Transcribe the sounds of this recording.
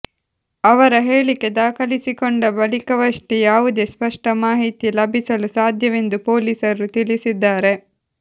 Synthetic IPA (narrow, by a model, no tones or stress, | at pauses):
ɐʋɐɾɐɦe̞ːɭike̞d̪aːkʰɐlisikoɳɖɐbɐlikɐʋɐʂʈijaːʋud̪eːspɐʂʈɐmaːɦit̪ilɐbʱisɐlusaːd̪ʱjɐʋe̞nd̪upoːliːsɐɾut̪ilisid̪ːaːɾe̞